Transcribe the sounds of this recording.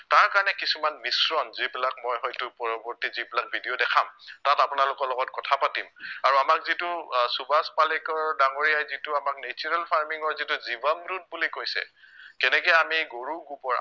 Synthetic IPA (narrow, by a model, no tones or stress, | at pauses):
taɹkaɹɔnɛkisumanmisɹɔnzibilak̚mɔjɦɔjtʊpɔɹɔbɔɹtizibilak̚bʱidiodɛkʰamtatapʊnalʊkɔɹlɔɡɔtkɔtʰapatimaɹamakzitʊsubaspalikɔɹdaŋoɹijajzitʊamaknet͡ʃuɹalpʰaɹmiŋɔɹzituzibamɹut̚bulikojsɛ̰kɛnɛkɛjamiɡoɹuɡupɔɹa̰